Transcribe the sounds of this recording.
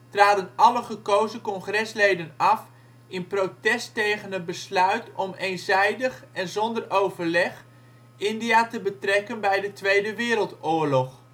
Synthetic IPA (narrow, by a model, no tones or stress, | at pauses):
traːdənɑləχəkowzəkɔŋχrɛslejdənɑf | ɪnprowtɛstejχənəd̚bəslœɥtɔmejnzɛjdəχɛnzɔndərʔowvəɹlɛχ | ɪndijaːtəbətrɛkənbɛjdətʋejdəʋɪːɾəlˠtʊːɹlɔχ